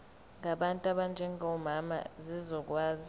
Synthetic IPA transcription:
ŋaɓantʼaɓand͡ʒʱɛŋɔmama̰zizɔk̬ʼwaːzi

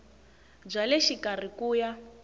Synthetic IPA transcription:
b͡ʐalɛʃikarikuːja

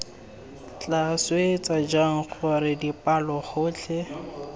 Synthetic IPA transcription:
t͡ɬʼaswet͡sʼad͡ʒaŋ̩k͡xʰʊɾɪdipʼalɔχʊːt͡ɬʰɛ

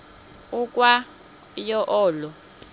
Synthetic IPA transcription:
ukʼwa | jɔʔɔːlɔ

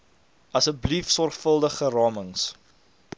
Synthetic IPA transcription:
ɐsəblifsɔrχfəlˠdəχərɑːməŋs

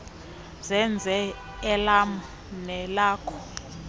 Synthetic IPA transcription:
zɛnd͡zʱɛ | ɛlam | nɛlaːkʰɔ̥

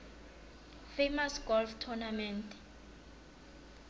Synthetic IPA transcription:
femasɡ̥ɔlftʰɔnamɛntʰ

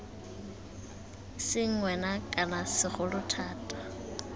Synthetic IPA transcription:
sɪŋ̩ŋwɛnakʼanasɪχʊlʊtʰaːtʼḁ

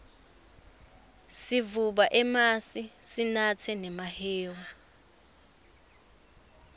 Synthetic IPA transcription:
sivuɓaʔɛmasisinat͡sʰɛnɛmahɛːwa

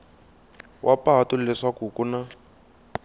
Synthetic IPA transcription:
wʔapaɦatulɛʂakukuna

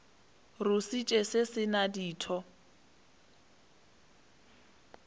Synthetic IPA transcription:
rʊsit͡ʃʼesɪsɪnadiːtʰɔ

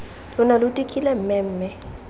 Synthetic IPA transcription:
lʊnalʊtʼikʼilɛm̩ːmɛm̩ːmɛ

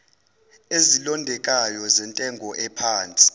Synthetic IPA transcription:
ezilɔndʱɛk̬ʼajɔzɛntʼɛŋɡʱɔʔɛpʰaːnt͡sʼi̥

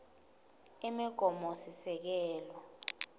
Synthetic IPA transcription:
imiɡ̥ʱɔmosisɛk̬ɛːlwɔ

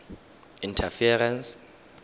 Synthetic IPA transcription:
intʰafiɛɾɛns

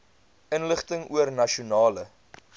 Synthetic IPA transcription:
ənləχtəŋuərnɐʃiunɑːlə

